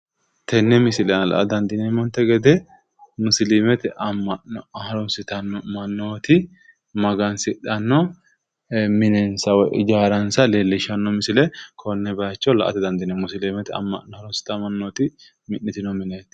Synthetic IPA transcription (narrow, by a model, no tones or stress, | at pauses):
t̪ʰɛnːɛmɪsɪlɛnlɐ̰ʔɐ̰d̪ɐnd̪ɪnɛmɔnt̪ːɛɡɛd̪ɛ | mʊslimɛt̪ɪʔɐmːɐhɐɾɔmsɪt̪ɐnmɐnːoːt̪ɪ | mɐɡɐnsɪᶑɐnːɔ | mɪnɛnsɐwɔʔɪd͡ʒaːɾɐnsɐlelːɪʃɐnːɔmɪsɪlɛkʰɔnːɛbɐjɐt͡ʃːɔlɐ̰ʔɐ̰t̪ɪd̪ɐnd̪ɪnɛmʊsɪlimɛt̪ɐ̰mːɐ̰ʔɔhɐɾɔmsɪ̥t̪ɐmɐnːoːt̪ɪ | mɪnːɪt̪ɪnɔmɪneːt̪